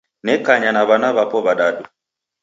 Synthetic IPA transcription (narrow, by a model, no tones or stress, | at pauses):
nɛkaɲanaβanaβapɔβaɗaɗu